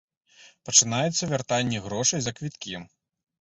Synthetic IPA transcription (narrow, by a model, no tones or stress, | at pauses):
pɐt͡ʂɨnajɛt̪sːɐvʲart̪anʲːiɣɾɔʂɐjzɐkvʲit̪kʲim